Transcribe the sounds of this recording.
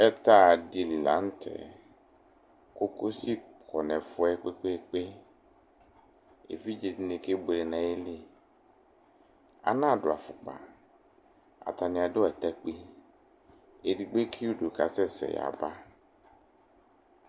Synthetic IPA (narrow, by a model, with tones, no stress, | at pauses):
ɛ˦t̪a˦˨di˨llã̰˨˦n˦tʰɛ̰˨ | ko˦ko˦si˦kʰɔ˨nɛ̃˨fʊ˦ɛ˦k͡pe˦k͡pe˦k͡pe˦ | ḛ˨vi˦d͡ʒe˨tnẽ˨ke˦ble˨nã˨e˦li˦ | a̰˨nã˦˨ɖʊ˨a˨fʊ˨k͡pa̰˨ | a̰˨t̪a˨nĩ˨a˨do˦ɛ˨t̪ɛ˦k͡pi˦ | e˨di˨ɡ͡be˦kʰi˦u˦do˨ka˨sɛ˦sɛ̰˨ja̰˨ba˦